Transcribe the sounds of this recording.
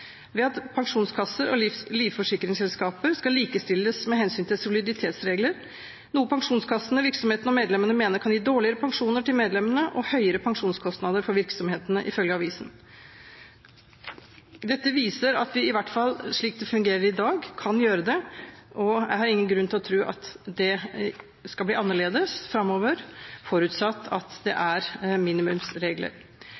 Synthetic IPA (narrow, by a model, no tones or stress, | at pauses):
ʋɛɑt̪pʰɑŋʂuːnskʰɑsːəɾɔ̰liːʋfɔʂɪkːəɾɪŋsɛlskɑːpəɾskɑliːkəst̪ɪlːəsmɛɦɛnsyːnt̪ɪlsʊlɪd̪ɪt̪ʰeːt̪sɾeːɡləɾ | nuːəpʰɑŋʂuːnskʰɑsənəʋɪɾksɔmheːt̪ənɔmeːd̪lɛmənəmeːnəɾkʰɑnjiːd̪oːɭɪəɾəpʰɑŋʂuːnəʈɪlmeːd̪lɛmənəʔɔhœʏəɾəpʰɑŋʂuːnskʰɔst̪nɑd̪əɾfɔɾʋɪɾksɔmheːt̪ənəʔɪfœlɡəɑʋiːsn | d̪ɛt̪ːəʋiːsəɾɑt̪ʋɪɪʋæʈːfɑlːʂɭiːk̚d̪ɛfʉŋɡeːɾəɾɪd̪ɑːɡkʰɑnjøːɾəd̪ɛʔɔjæ̰ɪhɑɾɪŋːənɡɾʉnt̪ʰɪlɔt̪ʰɾuːʔɑ̰t̪d̪ɛ | skɑbliːɑnːəɭeːd̪əsfɾɑmːoːʋəɾfɔɾʉːt̪sɑt̪ːɑt̪d̪ɛ̰ʔæɾmiːnɪmʉmsɾeːɡlə̰ɾ